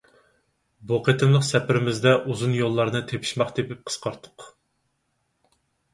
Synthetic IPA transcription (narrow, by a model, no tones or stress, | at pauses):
boqʰet̪ʰɨmlˠəqsɛpʰɪɾɪmɪzd̪ɛʔuzunjolˠːɑɾnɨt̪ʰepʰɪ̥ʃmɑχt̪ʰepɪp̚qʰə̥sqʰɑɾt̪ʰʊ̥q